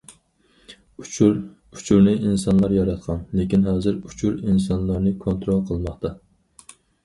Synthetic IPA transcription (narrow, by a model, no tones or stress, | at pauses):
u̥t͡ʃʰuɾnɪinsɑnlˠɑɾjɑɾɑt̪̚qʰɑnlekʲinɦɑːzɨɾut͡ʃʰuɾinsɑnlˠɑɾnɨkʰont̪ɾolˠqʰəlˠmɑχt̪ʰɑ